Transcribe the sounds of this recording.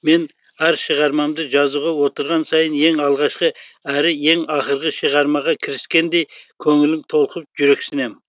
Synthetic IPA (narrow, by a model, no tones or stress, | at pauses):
me̞n | æɾʃəʁɑɾmɑmd̪əʒɑzuʁɑwo̞t̪əɾʁɑnsɑjənje̞ŋɑlˠʁɑʃqəæɾɪje̞ŋɑχəɾʁəʃəʁɑɾmɑʁɑkʲʰɪɾɪskʲe̞nd̪e̞jkʲʰɵŋɪlɪmt̪ʰo̞lˠqəp̚ʒʏɾe̞ksɪne̞m